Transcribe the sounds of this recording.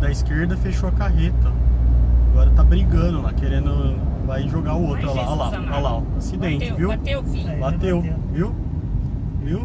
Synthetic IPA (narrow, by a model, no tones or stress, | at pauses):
d̪ɐiskeɾd̪ɐfeʃoɐkaɦet̪ɐ | aɡɔɾɐt̪abɾiɡɐ̃d̪ʊlakeɾẽnd̪ʊvajʒoɡaʊowt̪ɾɐlala | alaasid̪ẽnt͡ʃɪviw | mat̪ewviw | viw